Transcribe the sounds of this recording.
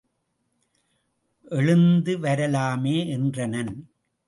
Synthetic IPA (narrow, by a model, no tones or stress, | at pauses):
ʔɛɻɯnd̪ɯʋɐɾɐlaːmeːʔɛndrɐnɐn